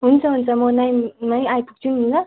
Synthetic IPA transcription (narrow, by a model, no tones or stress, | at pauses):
ɦunt͡sʰʌɦunt͡sʰʌmʌnajnajajpuk̚t͡sʰununnʌ